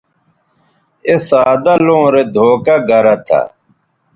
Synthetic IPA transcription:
esaːd̪alõːɾed̪ʱoːkaɡɐɾɐt̪ʰa̰

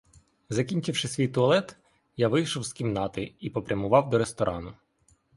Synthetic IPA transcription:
zɐkʲinʲt͡ʃɪwʃɪsʲʋʲijt̪ʊɐlˠɛt̪ | jaʋɪjʃɔwskʲimnɑt̪ɪipɔpɾʲɐmʊʋɑwd̪ɔɾest̪ɔɾʔɑnʊ

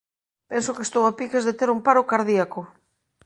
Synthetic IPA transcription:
pensokest̪owapikezðet̪eɾumpaɾokaɾðiako

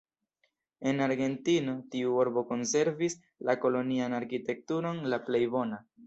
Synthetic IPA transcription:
e̞naɾɡe̞ntino̞tiuoɾbo̞ko̞nse̞ɾvis | lako̞lo̞nianaɾkite̞k̚tuɾo̞nlaple̞jbo̞na

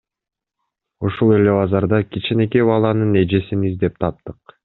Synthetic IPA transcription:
uʃulˠe̞le̞βɑzɑɾd̪ɑkʲit͡ʃinekiβɑlˠɑnɯne̞d͡ʒesinizd̪e̞p̚t̪ʰɑp̚t̪ɯq

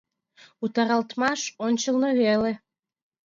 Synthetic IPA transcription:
ut̪ɑɾɑlt̪mɑʃonʲt͡ɕəlnəβele

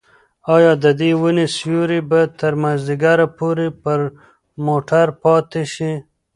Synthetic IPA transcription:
ɑjɑd̪əd̪iwənisjuɾibat̪əɾmazd̪iɡaɾapoɾepəɾ | moʈʰaɾpɑt̪eʃi

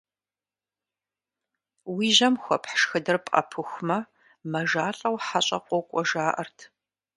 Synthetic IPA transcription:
wiːʒɐmxʷɐpħʃxɨdɐrpʼɐ̰pʰɨxʷmɐ | mɐʒaːɬʼɐwħaɕʼɐqʷɔkʷʼɔʒaːʔɐ̰rtʰ

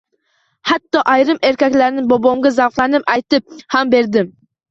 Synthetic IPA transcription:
hæt̪ːɑʔɑjɾɨmeɾkʲɛkʲlæɾnɪbobomɡʲɛzɑwqlˠænɨpɛjt̪ɪp̚hæmbeɾd̪ɪm

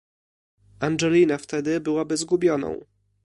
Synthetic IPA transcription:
anʐɛlʲinaft̪ɛd̪ɘbɘwabɘzɡubʲjɔnɔ̰̃w̃

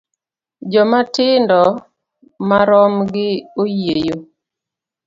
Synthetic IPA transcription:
d͡ʒɔmatɪndɔ | maɾɔmɡɪojejo

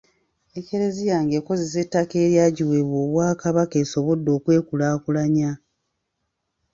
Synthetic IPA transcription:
eke̞ɾe̞zijaːŋɡeːko̞zes̬e̞tːake̞ːɾjaːɟiweβwoːβwaːkaβakeːso̞βo̞dːo̞ːkwe̞ːkulaːkulaɲa

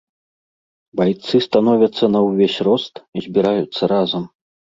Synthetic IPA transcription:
bajt̪sɨst̪anɔvʲɐt̪sːɐnɐwvʲesʲrɔst̪izʲbʲiɾajut̪sːɐɾazɐm

